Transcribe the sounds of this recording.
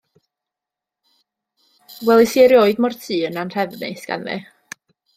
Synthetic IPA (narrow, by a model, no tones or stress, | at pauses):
wɛlˠisiɾjoɨdmɔrtʰiːənanr̥ʰɛvnḛjsɡ̥a̰nvɛ̰